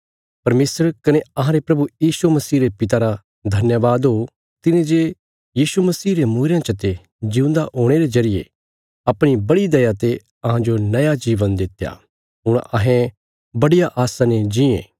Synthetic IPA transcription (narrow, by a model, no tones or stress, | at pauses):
pɐɾmeːsəɾkɐneɐɦãɾepɾɐbujiːsumɐsiːɾepɪt̪̬aɾa | d̪ʱɐnjəʋaːd̪ɦo | t̪ɪnẽd͡ʒe | jiːsumɐsiːɾemuːɾejãt͡ʃɐt̪e | d͡ʒɪ̃ũnd̪aɦoːɽ̃eɾezɐɾɪjḛ | ɐpɽ̃ibɐɽid̪ɐjat̪e | ɐɦãd͡ʒonɐjad͡ʒiːʋənd̪ɪt̪ːja̰ː | ɦʊɽ̃ɐɦẽ | bɐɽijaʔaːsãned͡ʒɪḛ̃ː